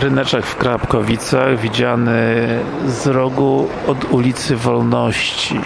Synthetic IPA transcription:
ɾɘnɛt͡ʂaxfkɾapkɔvʲit̪saɣvʲid͡ʑanɘ | zɾɔɡu | ɔd̪ulʲit̪sɘvɔlnɔɕt͡ɕi

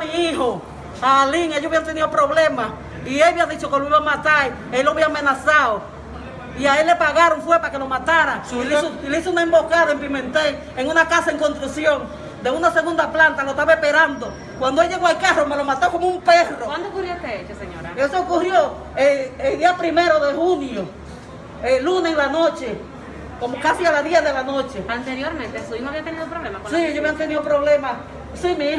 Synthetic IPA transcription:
miiho | aːliŋejoβiant̪eniopɾoβlema | ieβiaðit͡ʃokeloiβamat̪ai | ejloβiaːmenasao | iaelːepaɣaɾoŋfwepaakelomat̪aɾaiileisounaembo̞kaðaempimẽ̞nt̪e | eŋunakasaeŋkonst̪ɾusjoŋ | d̪eunaseɣund̪aplant̪alot̪aβaespeɾand̪o | kwand̪oelʝe̞ɣoalkaromelomat̪oko̞moumperrowand̪ookurjost̪eet͡ʃoseɲoɾa̰esookurjo | eeld̪iapɾime̞ɾo̞ðe̞hunjo | eluneilanot͡ʃe̞ | komokasialaðjeðelanot͡ʃe̞ant̪eɾjoɾmẽnt̪esuimoaβiat̪eniðoupɾoβlemasieɲoβiant̪eniðopɾo̞βle̞ma | simĩ

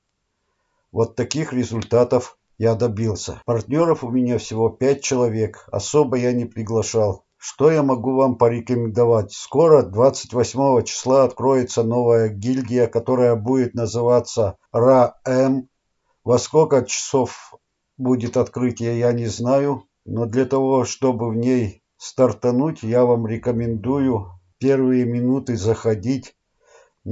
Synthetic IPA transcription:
vot̪ːɐkʲixɾʲɪzʊlʲt̪at̪əf | jad̪ɐbʲilˠsʲə̰pɐrt̪ʲnʲo̞ɾəfʊmʲɪnʲafsʲɪvo̞pʲæt̚ʲt͡ɕɪlˠɐvʲe̞kɐ̰so̞bəjanʲɪpɾʲɪɡlˠɐʂalˠ | ʂt̪o̞jamɐɡuvampəɾʲɪkəmʲɪnd̪ɐvatʲsko̞ɾəd̪vat̪sɨ̥tʲvɐsʲmo̞vət͡ɕɪ̥slˠaɐt̪kɾo̞jɪt̪səno̞vəjəɡʲilʲdʲɪjəkɐt̪o̞ɾəjəbudʲɪt̪nəzɨvat̪sːə | raɛm | vɐskokət͡ɕɪ̥sof | budʲɪt̪ɐt̪kɾɨtʲɪjəjanʲɪznajʊ | no̞d̪lʲat̪ɐvo̞ʂt̪o̞bɨvnʲej | st̪ɐrt̪ɐnutʲjavamɾʲɪkəmʲɪnd̪ujʊpʲe̞rvɨjəmʲɪnut̪ɨzəxɐdʲitʲ

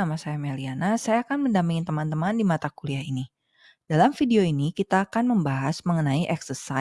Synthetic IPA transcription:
amasajamelianasajaːkanməndampiŋnt̪əmant̪əmandimat̪akuliaini | d̥alamfideoinikit̪aːkanməmbaɦasməŋənaiʔɛksəsa

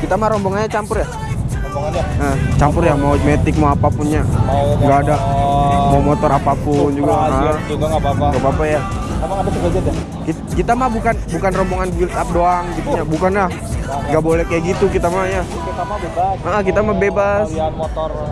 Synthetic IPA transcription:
kit̪amaɾɔmboŋanɲat͡ʃampʊrja | bŋət͡ʃampʊrjamaumet̪ɪk̚mawapapʊnɲaŋɡaːdamawmot̪ɔɾapapʊnd͡ʒuɡaʔəŋɡaŋɡapapaja | amaŋadasəbad͡ʒat̪a | kit̪kit̪amabukanbukanrɔmboŋanɡwɪlt̪ap̚doaŋɡit̪uɲabukanlah | ŋɡaʔbolɛhkajaɡit̪ukit̪amaja | kit̪aa | əʔəhkit̪amabebasot̪ɔ

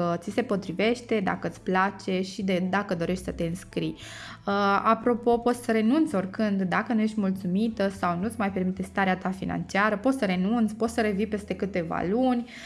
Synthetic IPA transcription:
ət̪sise̞po̞t̪ɾive̞ʃt̪e̞d̪a̰kəɨt̪sʲplat͡ʃe̞ʃid̪ed̪akəd̪o̞ɾe̞ʃt̪ʲsət̪e̞ɨnskɾij | əapɾo̞po̞po̞t̪ssəɾe̞nunt̪so̞rkɨnd̪ːakənuje̞ʃt̪ʲmult̪sumit̪əsawnut̪sʲmajpe̞rmit̪est̪aɾeat̪afina̰nt͡ʃiaɾəpo̞t̪səɾe̞nunt̪sʲpo̞t̪səɾe̞vipe̞st̪e̞kɨt̪e̞va̰lunʲ

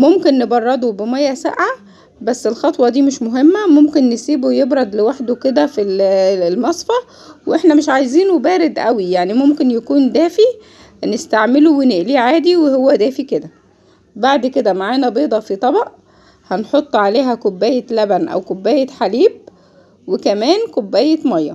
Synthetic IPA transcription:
momkenːebɑrˤːɑd̪ˤobemæjːæsæ̰ʔʕa | bæsːelxɑt̪ˤwɑd̪iːmeʃmoɦemːæmomkenːesiːbojebɾˤɑd̪lewaħd̪oked̪æfilelmɑsˤfɑ | weʔeħnæmeʃʕajziːnubæːɾed̪ʔæwijaʕnimomkenjækuːnd̪æːfi | nest̪aʕmeloweneʔliːʕaːd̪iwehowːæd̪æːfiked̪æ | baʕd̪ked̪æmaʕaːnæbeːd̪ˤɑfit̪ˤɑbɑʔ | hænħot̪ˤːʕaleːɦækobːæːjelæbænʔæ̰wkobːæːjeħaliːb̚ | wekæmæːnkobːæːjet̪mɑjːɑ̰

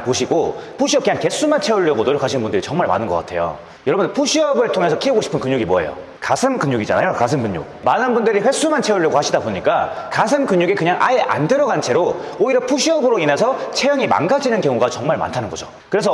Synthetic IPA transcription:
poɕʰiɡopʰuɕʰiʌp̚keɲanke̞s͈umant͡ɕʰeuɭːʌbodɯɾkaɕʰinbundɯɾit͡ɕʌŋmaɭma̰nɯnɡʌk͈a̰tʰe̞̰jo̰ | jʌɾʌbundpʰuɕʰiʌbɯɭtʰoŋe̞sʰʌkʰieɡoɕʰi̥pʰɯnkɯɲɲuɡimoḛjo̰ | kasʰɯmkɯɲjuɡid͡ʑa̰na̰jokasʰɯmkɯɲːṵk̚manɯnbundɯɾiɸwe̞s͈umant͡ɕʰeuɭːjʌɡohaɕʰidaboɲik͈a | kasʰɯmkɯɲuɡekɯɲaŋʔa̰eʔa̰ndɯɾʌɡant͡ɕʰe̞ɾooiɾʌpʰuɕʰiʌbɯɾoine̞sʰʌt͡ɕʰejʌŋima̰nɡad͡ʑinɯnkjʌŋuɡat͡ɕʌŋmaɭma̰ntʰanɯnɡʌd͡ʑo | kɯɾe̞s̬ʰʌ

